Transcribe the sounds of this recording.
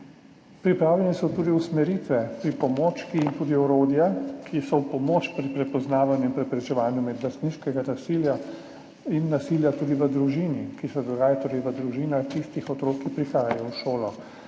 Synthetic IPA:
pɾipɾaːwlʲɛnɛsɔt̪uːd̪iusmɛɾit̪ʋɛpɾipɔmoːt͡ʃkiːnt̪uːd̪iɔɾoːd̪jakʰisɔwpɔmoːt͡ʃpɾipɾɛpɔznaːʋanjuimpɾɛpɾɛt͡ʃɛʋaːnjumɛd̪last̪niːʃkɛɡanasilja | inːasiljat̪uːd̪iʋəd̪ɾuʒiːnikisɛd̪ɔɡaːjat̪oːɾɛjʋəd̪ɾuʒiːnaxt̪ist̪ixɔt̪ɾokːipɾixaːjajɔwʃoːlɔ

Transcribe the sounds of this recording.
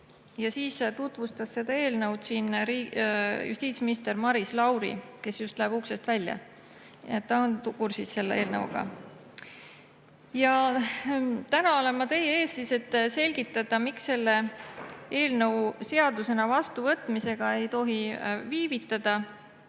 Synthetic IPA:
jɑsiːst̪ut̪ˑvust̪ɑsːe̞d̪ɑe̞ːlnɤwd̪̥siːnɾiːjṵst̪iːt̪sminist̪e̞rmɑɾislɑwɾḭke̞sjust̪læeb̥uksest̪vælʲjɑ̰ | etːɑont̪kursisːe̞lːee̞ːlnɤ̰wṵɡ̥ɑ̰ | jɑ | t̪ænɑo̞le̞nmɑt̪e̞jeeːssiːse̞t̪ːse̞lʲɡ̥it̪ːˑɑd̪̥ɑmiksːe̞lːe̞ | e̞ːlnɤ̞wse̞ɑd̪̥use̞nɑvɑst̪uvɤt̪ːˑmise̞ɡ̥ɑe̞jt̪o̞ɦiviːvit̪ˑːɑd̪̥ɑ

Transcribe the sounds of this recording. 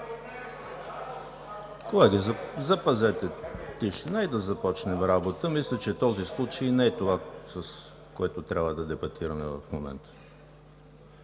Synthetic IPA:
koɛɡʲizɐpɐzɛt̪ɛt̪iʃɛnaɛd̪ɐzɐpɔt͡ʃnɛmɾabot̪əmislʲət͡ʃɛt̪ɔzislˠut͡ʃəjnɛɛt̪ovasəs | koɛt̪ot̪ɾʲʔabvəd̪ɐd̪ɛbɐt̪ʰiɾɐmɛvɐ̰fmomɛ̰nt̪ə̥

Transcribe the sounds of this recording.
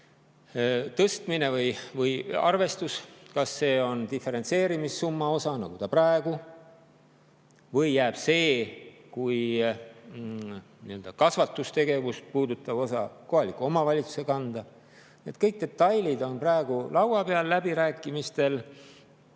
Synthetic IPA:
t̪ɤst̪mine̞vɤjvɤjɑ̰rve̞st̪uskɑsːe̞ːo̞nt̪ife̞ɾent̪se̞ːɾimisːumːɑo̞sɑnɑɡ̥ut̪ɑprɑeɡ̥u | vɤjːæːb̥se̞ːkuj | niø̞ld̪ɑkɑsvɑt̪ːˑust̪e̞ɡe̞vust̪̚puːd̪ut̪ːˑɑb̥o̞sɑko̞ɦɑlikːˑuomɑvɑlʲit̪su̥se̞kɑnd̪̥ɑ | niet̪̚kɤjk̚d̪e̞t̪ːˑɑjlid̪o̞nprɑeɡ̥ulʔɑwɑpe̞ɑlːæbiɾæːkːˑimist̪e̞l

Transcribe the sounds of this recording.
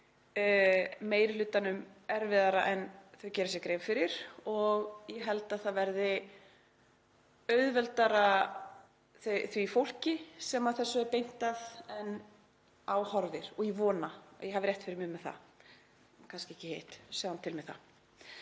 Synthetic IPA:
meːjɾɪlʏːt̪anʏmɛɾvɪðaɾaʔɛnθœɥcɛːɾasjɛkɾejvfɪɾɪɾ̥ɔɣjɛɦɛlt̪aðθaðvɛɾðɪ | œɥðvɛlt̪aɾa | θœθvifowl̥cɪsɛmaðθɛsːʏɛɾpejn̥t̪aðɛn | awhɔɾvɪɾ̥ɔɣivɔːna̰jɛɦavɪɾjɛht̪fɪɾɪɾmɪmɛðθa̰ | kʰanscɪɛhcɪhejht̪sɛːðant̪ʰɪlmɛðθa̰

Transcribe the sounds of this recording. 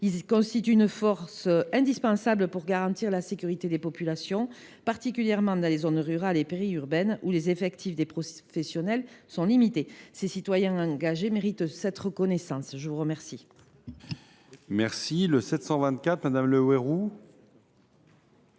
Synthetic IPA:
ilkɔ̃st̪it̪yynəfɔʁsəɛ̃d̪ispɑ̃sabləpuʁɡaʁɑ̃t̪iʁlasekʲyʁit̪ed̪epɔpylasjɔ̃ | paʁt̪ik̬ʲyljɛʁmɑ̃d̪ɑ̃lezɔnʁyʁalepeʁiyʁbɛnulezefɛkt̪ifd̪epχɔfɛsjɔnɛlsɔ̃limit̪esesit̪wajɛ̃ɑ̃ɡaʒemeʁit̪sɛt̪əʁəkɔnesɑ̃sʒəvuʁəmɛʁsi | mɛʁsiləsɛt̪sɑ̃vɛ̃nt̪̚kʲat̪mad̪amləweʁu

